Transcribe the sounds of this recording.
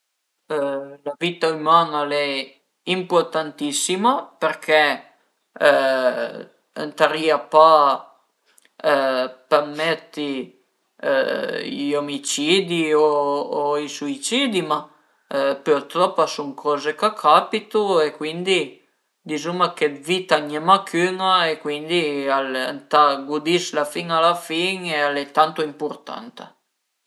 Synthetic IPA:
lavit̪aymaːnalɛ | import̪ant̪isːimapeɾkʰɛ | ə̰nt̪aɾiapa | pamɛt̪ːḭ | ʎomit͡ʃid̪ioː | isuit͡ʃid̪ima | pɛɾt̪ɾɔpːasuŋkʰɔːzekakʰapit̪uekwind̪i | d̪izumaked̪vit̪aɲɛmakʰyŋaekwind̪iala̰nt̪aɡud̪islafiŋalafiŋealɛt̪ant̪oimpuɾt̪a̰nt̪a̰

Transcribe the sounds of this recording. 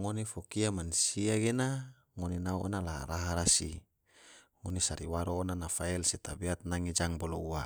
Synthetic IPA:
ŋonifokiamanusiaɡena | ŋoninauɔ̰nala̰ɾaɦaɾasi | ŋonisaɾiwaɾoːnanafaɛlsɛt̪abiat̪̚naŋid͡ʒaŋbɔloua

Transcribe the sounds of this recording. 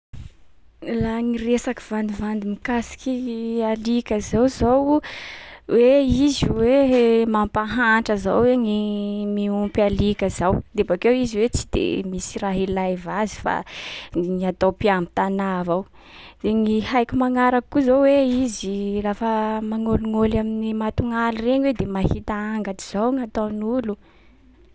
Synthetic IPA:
laŋiresakiv̥and̪ivand̪imikasi̥kialikʲəzawzow | weiziwemampaɦaɳʈ͡ʂəza̰wweŋimiumpalikʲəz̥awd̪ebakewiziwet͡si̥d̪̥ḛmisiraɦilajvazi̥fa̰ | ŋiat̪opiambi̥t̪anavaw | d̪̥eŋihajkʲumaŋaɾakkuzowweizirafəmaŋoluŋolaminimat̪uŋalireɲwed̪emahit̪aaŋɡatiz̥awŋat̪awnulu

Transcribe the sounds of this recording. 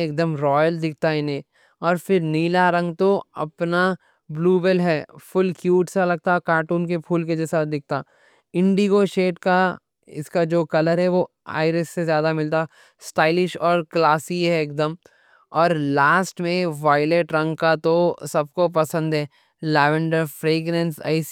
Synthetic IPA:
eːk̚d̪əmɾɔːjəld̪ɪk̚ʰt̪aɪnẽ | ɔːɾfɪɾniːlaɾɐ̃ŋɡt̪oɐ̰pna | bluːbəlɦɛːfʰʊlkjuːʈsalɐɡ̚t̪akaːʈuːnkepʰuːlked͡ʒɛsaːt̪̚ʰd̪ɪk̚ʰt̪aː | ɪ̃ɳɖiɡoʃeːʈka | ɪ̰skad͡ʒoːkɐləɾɦɛʋo | a̰ːɪɾəsːezjaːd̪amɪlt̪a | sʈaːɪlɪʃɔːɾklaːsiɦɛeːk̚d̪əm | ɔːɾlaːsʈmẽʋaːɪleʈɾɐ̃ŋɡkat̪osɐb̚kopɐsə̃nd̪ɦɛː | lɛːʋə̃ɳɖəɾfɾeːɡnɛ̃nsɐ̰ɪs

